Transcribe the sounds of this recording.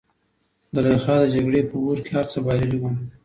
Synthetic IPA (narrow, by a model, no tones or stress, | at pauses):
d̪əlaxɑd̪əd͡ʒaɡɽepəwoɾkehaɾt͡səbɑjləliwum